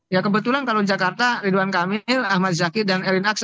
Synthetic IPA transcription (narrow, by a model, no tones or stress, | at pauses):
jakəbət̪ulankalod͡ʒakart̪aɾiduankamɪlahmat̪̚zakidanɛɾinak̚s